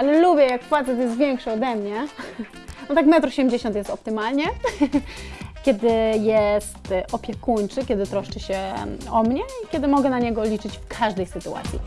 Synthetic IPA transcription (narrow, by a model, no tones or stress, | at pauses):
alɛlubʲjɛjakːfat̪sɛt̪̬jɛst̪vʲjɛŋkʂɨɔd̪ɛmɲɛ | nɔt̪akmɛt̪ɾɔɕɛmd͡ʑeɕɔnt̪jɛst̪ɔp̚t̪ɘmalɲɛ | kʲɛd̪ɘjɛst̪ʔɔpʲjɛkuɲt͡ʂɘkʲɛd̪ɘt̪ɾɔʂt͡ʂɘɕɛɔmɲɛikʲjɛd̪ɘmɔɡɛnaɲɛɡɔlʲit͡ʂɘt͡ɕfkʰaʐd̪ɛjsɘt̪ua̰t̪sʲjḭ